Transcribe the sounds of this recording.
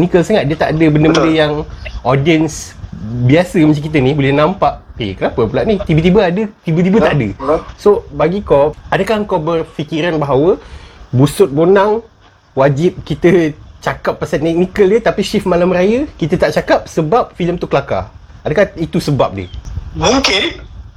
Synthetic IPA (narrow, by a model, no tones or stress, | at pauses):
t̪knikəlsaŋat̪̚diət̪aʔadəbəndəbəndəjaŋodiənsbiasəmət͡ʃakit̪̬ənibolɛhnãmpaʔḭkənapəpulaʔniht̪ibət̪̬ibəadət̪ibət̪ibət̪aʔdəsobaɡikoadakahəŋkabərfikiɾanbaɦawəbusʊt̪̚bonaŋ | wad͡ʒɪp̚kit̪ət͡ʃakapːasant̪ɛk̚nikəldət̪apiʃifmalamrajəkit̪ət̪aʔt͡ʃakap̚səbap̚filəmt̪ukəlaka̰adakait̪usəba̰p̚də̰ | ke